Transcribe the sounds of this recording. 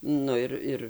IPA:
ˈnʊ ɪr ˈɪr

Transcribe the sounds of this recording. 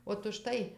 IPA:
oːt ʊʃˈtɐɪ

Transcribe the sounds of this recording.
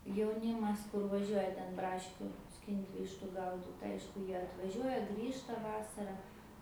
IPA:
jɛʊˈnʲiːmɐs ˈkʊr ʋɐˈʒʲuɔjɛ tʲɛn ˈbrɑːʃʲkʲuː ˈsʲkʲɪnʲtʲ ˈʋʲɪʃtʊ ˈɡɐʊdʲɪt ˈɐɪʃkʊ ˈjiɛ ɐtʋɐˈʒʲuɔjɛ ˈɡrʲiːʃtɐ ˈʋɑːsɐrɐ

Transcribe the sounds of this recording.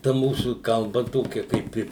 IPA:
tɐ ˈmuːsuː kɐlˠˈbɐ ˈtoːkʲɛ kɐɪp ˈɪ

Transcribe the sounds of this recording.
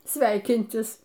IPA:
ˈsʲʋʲɛɪkʲɪnʲtʲɪs

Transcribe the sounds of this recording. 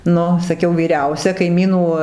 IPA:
ˈnʊ sɐˈkʲɛʊ ʋʲiːˈrʲɛʊsʲɛ kɐɪˈmʲiːnuː

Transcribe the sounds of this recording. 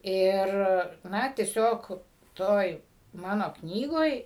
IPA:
ˈɪr ˈnɐ tʲiɛˈsʲoːk ˈtoːj ˈmɑːnoː ˈknʲiːɡoːj

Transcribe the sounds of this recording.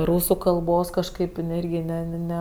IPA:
ˈruːsʊ kɐlˠˈboːs kɐʃˈkɐɪp ɪˈnɐɪ ˈɪrʲɡʲɪ ˈnʲɛ nʲɛ ˈnʲɛ

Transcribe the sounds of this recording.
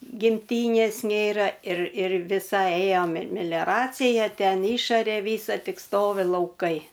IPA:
ɡʲɪmʲˈtʲiːnʲeːs ˈnʲeːrɐ ɪr ɪr ʋʲɪˈsɐɪ ˈeːjoː mʲɛ ɪr mʲɛlʲoːˈrɑːt͡sʲɪjɛ ˈtʲɛn ˈɪʃɐrʲeː ˈʋʲiːsɐ ˈtʲɪk ˈstoːʋʲɪ lˠɐʊˈkɐɪ

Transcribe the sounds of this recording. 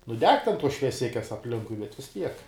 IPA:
nʊ ˈdʲɛk tʲɛn ˈtuɔs ʃʲʋʲiɛˈsʲɪkʲɛs ɐpʲˈlʲɪŋkʊɪ bʲɛt ʋʲɪs ˈtʲiɛk

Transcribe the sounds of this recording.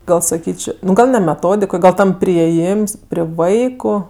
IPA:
ˈɡɐlˠ sɐˈkʲiːt͡ʃʲ ˈnʊ ˈɡɐlˠ nʲɛ mʲɛˈtoːdʲɪk ˈɡɐlˠ ˈtɐm pʲrʲɪeːˈjiːms pʲrʲɪ ˈʋɐɪkʊ

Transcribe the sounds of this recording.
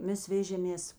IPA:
ˈmʲɛs ˈʋʲæːʒʲeːmʲeːs

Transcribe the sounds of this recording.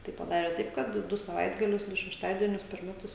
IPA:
ˈtɐɪ pɐˈdɑːrʲɛ ˈtɐɪp kɐt ˈdʊ sɐˈʋɐɪdɡɐlʲʊs ˈdʊ ʃʲɛʃˈtɑːdʲiɛnʲʊs pʲɛr ˈmʲæːtʊs

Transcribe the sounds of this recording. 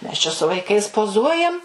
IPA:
ˈmʲɛs t͡ʃʲɛ sʊ ʋɐɪˈkɐɪs poːˈzuɔjɛm

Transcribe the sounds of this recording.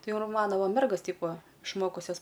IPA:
ˈtɐɪ ɪr ˈmɑːnoː ˈʋɐ ˈmʲɛrɡoːs ˈtʲɛɪp ˈʋɐ ɪʃˈmoːkʊsʲɛs

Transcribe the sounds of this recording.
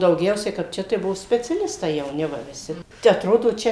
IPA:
dɐʊˈɡʲɛʊsʲɛɪ kɐp ˈt͡ʃʲɛ tɐɪ ˈbuɔ sʲpʲɛt͡sʲɛˈlʲɪstɐɪ jɛʊˈnʲɪ ʋɐ ʋʲɪˈsʲɪ tʲɛ ɐtˈroːdoː ˈt͡ʃʲɛ

